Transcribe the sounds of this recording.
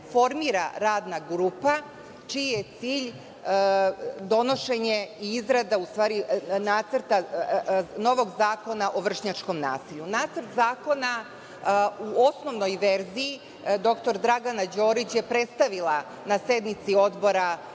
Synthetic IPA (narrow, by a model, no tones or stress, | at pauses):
fo̞ɾmiɾa̰ɾaːd̪naɡɾuːpa | t͡ʃijjet̪siːʎ | d̪o̞no̞ʃe̞ɲe̞iizɾad̪aust̪ʋaːɾinaːt̪səɾt̪a | no̞ʋo̞ɡzaːko̞naʔo̞ʋr̩ʃɲat͡ʃko̞mna̰ːsiʎunaːt̪srt̪zaːko̞na | uosno̞ʋno̞jʋeɾzii | d̪o̞kt̪o̞ɾd̪ɾaɡanad͡ʑo̞ːɾit͡ɕje̞pɾe̞t̪st̪aʋila | nase̞d̪nit̪sio̞d̪bo̞ɾa